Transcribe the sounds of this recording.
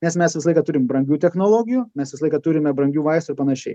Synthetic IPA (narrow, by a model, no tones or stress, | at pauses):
nʲɛsmʲɛsʋʲɪsɐlˠɐɪkɑt̪ʊɾʲɪmbɾɐŋʲɡʲuːt̪ʲɛxnoːlˠoːɡʲɪjuːmʲɛsʋʲɪsɑlˠɐɪkɐt̪ʊɾʲɪmʲɛbɾɐŋʲɡʲuːʋɐɪst̪ʊɪɾpɐnɐʃʲɛɪ